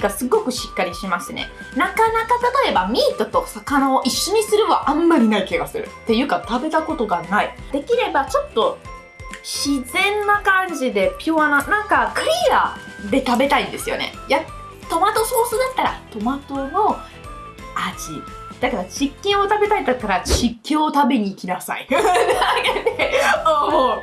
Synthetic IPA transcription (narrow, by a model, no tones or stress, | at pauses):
ɡasɨɡo̞kɯ̟ɕi̥kːaɾʲiɕimasɨne̞̰ | nakanakat̪at̪o̞e̞bamʲiːt̪o̞t̪o̞sakanao̞ʔiɕːo̞ɲ̟isɨɾɯ̟βaʔãmːaɾʲinaikeɡasɨɾɯ̟̰t̪ːe̞jɯ̟kat̪abe̞t̪ako̞t̪o̞ɡanaid̪e̞kʲiɾe̞bat͡ɕo̞t̪ːo̞ | ɕizẽ̞nːakãɲd͡ʑid̪e̞pʲjoananãŋkakɯ̟ɾʲiad̪e̞t̪abe̞t̪aĩnd̪e̞sɨjo̞̰ne̞̰ja | t̪o̞mat̪o̞so̞ːsɨd̪at̪ːaɾa̰t̪o̞mat̪o̞no̞ | aʑid̪̥akaɾad͡ʑikʲːẽɰ̃o̞t̪abe̞t̪ait̪at̪ːaɾaɕikʲːẽɰ̃o̞t̪abe̞ɲ̟iːkʲinasa̰ḭ | oːo